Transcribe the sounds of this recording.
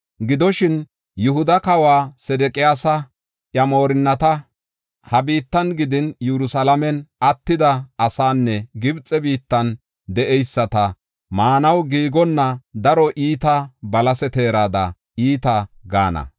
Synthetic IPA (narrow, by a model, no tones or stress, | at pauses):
ɡɪd̪ɔʃɪn | jʊhʊd̪ɐkɐwaːsɛd̪ɛkʼɪjaːsɐ | ʔjɐmo̞ːɾɪnːɐt̪ɐ | hɐbiːt̪ːɐnɡɪd̪ɪnjɛɾʊsɐlɐmɛnɐt̪ːɪd̪ɐːsaːnːɛɡɪbt͡sʼːɛbiːt̪ːɐn | d̪ɛʔɛjsːɐt̪ɐ | maːnɐwɡiːɡɔnːɐd̪ɐɾɔʔiːt̪ɐbɐlɐsɛt̪e̞ːɾaːd̪ɐ̰ | iːt̪ɐɡa̰ːnɐ̰